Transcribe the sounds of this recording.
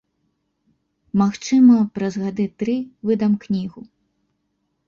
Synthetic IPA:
maxt͡ʂɨmɐpɾɐzɣad̪ɨt̪ɾɨvɨd̪ɐmknʲiɣu

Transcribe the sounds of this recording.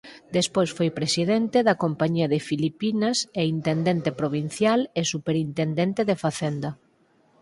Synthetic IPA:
d̪espojsfojpɾesiðɛnt̪eðɐkompaɲiɐðefilipinɐseint̪end̪ent̪epɾoβ̞in̟θjalesupeɾint̪end̪ent̪eðefaθend̪ɐ

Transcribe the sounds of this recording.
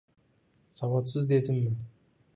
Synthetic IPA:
sɑwɑt̪səzd̪esɪŋmɪn

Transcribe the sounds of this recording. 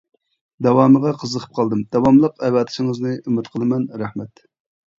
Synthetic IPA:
d̪ɑwɑːməʁɑqʰəzəqʰə̥p̚qʰɑlˠd̪ɨmd̪̥ɑwɑmlˠəqɛwɑːt̪ʰɪ̥ʃiŋɨznɨumɨt̪qʰəlˠɨmɛnɾæhmɛt̪

